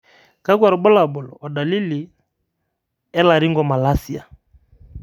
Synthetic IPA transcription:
ka˦k̬wa˨ɾɔ˨ɓɔ˦la˨bɔ˨lɔ˨ɔ˨da˨li˦li˨ | ɛ˦la˨ɾi˦ŋɡɔ˨ma˨la˦si˨a˨

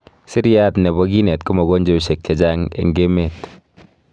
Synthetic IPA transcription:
sɪ˦ɾja˦tnɛ˨βɔ˦ɡi˦ne˨tkʊ˦mɔ˨ɡo˦nd͡ʒe˦˨ʃe˨k̚t͡ʃe˨d͡ʒa˦ŋḛ˨ŋɡe˦me˨t

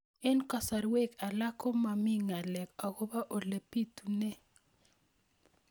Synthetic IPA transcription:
ɛ˦nka˨sa˨ɾwe˦˨ka˨la˦kɔ˦ma˨mi˦ŋa˨lɛ˨ka˨ko˦ba˦ʔo˨le˨pi˦tu˨nɛ˦

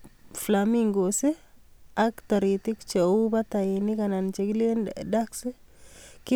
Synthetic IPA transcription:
flamiŋɡo˨se˦a˦kt̪a˨ɾi˨t̪i˦kt͡ʃe˨u˦ba˦t̪a˨ji˨ni˦ka˨na˨nt͡ʃe˨kli˦nda˦ksi˦ki˦

